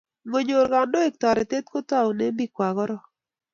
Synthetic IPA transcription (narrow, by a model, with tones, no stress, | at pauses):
ŋo˨ɲo˨ɾɡa˨ndo˦e˨k̚tɔ˨ɾɛ˨te˦t̪̚ko˦ta˦˨u˨ne˦mbi˦kwa˨ɣɔ˦ɾɔ˦